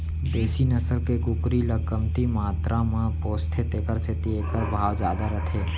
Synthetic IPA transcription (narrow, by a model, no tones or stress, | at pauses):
d̪eːsinəsəlkeɡʊkɾiləkəmt̪imaːt̪ɾãmãpoːst̪ʰet̪eːkəɾset̪iekəɾbʱaːwd͡ʒjaːd̪aɾət̪ʰeː